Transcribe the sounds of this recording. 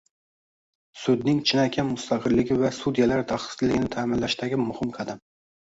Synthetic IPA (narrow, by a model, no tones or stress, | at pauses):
sʊd̪nɪŋt͡ʃʰɪnɑkʲʰamʊst̪ʰɑqʰɨɾlɪɡʲɪvæsud̪jalaɾd̪ɑχɨ̥slːɪɡʲɪnɪt̪ʰæːmɪnlæʃt̪æɡʲɪmʊhɪmqʰɑd̪am